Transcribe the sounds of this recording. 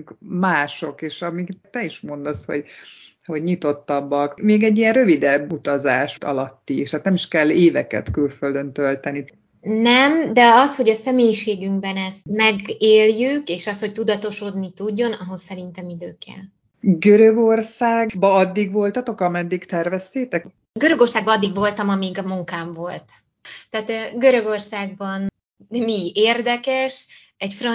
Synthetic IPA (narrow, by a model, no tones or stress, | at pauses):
kmaːʃo̞keːʃɒmikt̪ɛiʃmo̞nd̪o̞sho̞̰ɟ | ho̞ɟɲit̪o̞t̪ːɒbːɒkmeːɡɛɟːijɛnrø̞vid̪ɛbːut̪ɒzaːʃt̪ʰɒ̰lɒt̪ːieʃaːt̪nɛmiʃkɛlːeːvɛkɛ̰t̪kylføld̪ønt̪ølt̪ɛni | nɛmd̪ɛɒsho̞ɟɒsɛmeːjiʃeːɡyŋɡbɛnɛst̪mɛɡeːljykeːʃɒst̪ho̞c̚t̪ud̪ɒt̪o̞ʃo̞d̪nit̪uɟːo̞nɒɦo̞sːɛɾint̪ɛmid̪øːkɛ̰l | ɡøɾøɡorsaːɡbɒɒd̪ːiɡvo̞lt̪ɒt̪o̞kɒmɛnd̪ːikt̪ɛrvɛst̪eːt̪ɛk | ɡøɾøɡo̞rsaːɡ̚bɒɒd̪ːiɡvo̞lt̪ɒmɒmiɡmuŋkaːɱvo̞lt̪ | t̪ːaːt̪ɡøɾø̞ɡo̞rsaːɡ̚bɒn | mieːrd̪ɛkɛʃ | ɛcfrɒ